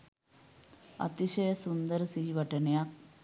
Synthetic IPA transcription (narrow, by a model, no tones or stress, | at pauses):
ɐ̰t̪iɕɐjɐsund̪ɐɾsiːʋɐʈːɐnɐjak̚